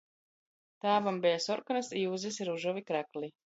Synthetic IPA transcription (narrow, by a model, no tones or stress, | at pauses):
t̪aːbambɛjasɔɾkɔnasiːzisiɾuʒɔvikɾækli